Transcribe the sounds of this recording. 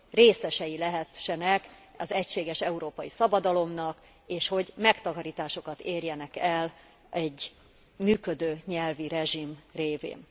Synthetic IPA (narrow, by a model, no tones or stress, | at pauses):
reːsɛʃɛjilɛɦɛʃːɛnɛkɒzɛcʃeːɡɛʃɛuɾoːpɒjisɒbɒd̪ɒlo̞mnɒk | eːʃho̞ɟmɛkt̪ɒkɒɾiːt̪aːʃo̞kɒt̪eːrjɛnɛkɛl | ʔɛɟː | myːkød̪øːɲɛlviɾɛʒimreːvḛːn